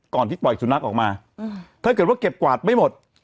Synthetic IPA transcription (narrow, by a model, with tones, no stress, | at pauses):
kɔː˨˩nt̪ʰiː˥˩pɔ˨˩jsu˨˦na˦˥kʔɔː˨˩k̚maː˧ | t̪ʰaː˥˩kɤ˨˩t̪̚wa˥˩ke˨˩p̚kwaː˨˩t̪̚ma˥˩jmo˨˩t̪̚